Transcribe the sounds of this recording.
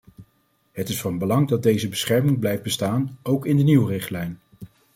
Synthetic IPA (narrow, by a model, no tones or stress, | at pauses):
ɦətɪsfɑnbəlɑŋdɑd̚dejzəbəsχɛɹmɪŋblɛjfd̚bəstaːnowkɪndəniwrɪχtlɛjn